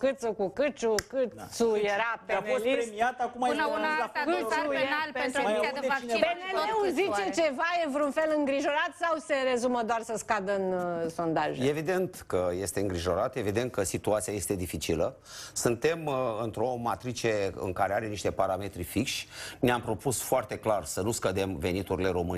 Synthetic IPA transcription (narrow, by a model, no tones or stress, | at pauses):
kɨt̪səkukɨt͡ʃukɨsujeɾapeamosliɾemiat̪akumanaunaaɨeenalpent̪ɾuaeainebneleuzit͡ʃe̞t͡ʃe̞vajevɾunfe̞lɨŋɡɾiʒo̞ɾat̪sawse̞ɾe̞zuməd̪oarsəskad̪əɨnso̞nd̪aʒejeevid̪e̞nt̪kəje̞st̪e̞ɨŋɡɾiʒo̞ɾat̪e̞vid̪e̞nt̪̚kəsit̪uat̪siaje̞st̪e̞d̪ifit͡ʃilə | sɨnt̪e̞mɨnt̪ɾo̞mat̪ɾit͡ʃe̞ɨ̰ŋkaɾe̞aɾe̞niʃt̪e̞paɾame̞t̪ɾifikʃʲneampɾo̞pusfoart̪e̞klarsənuskəd̪e̞mve̞nit̪uɾile̞ɾo̞mɨn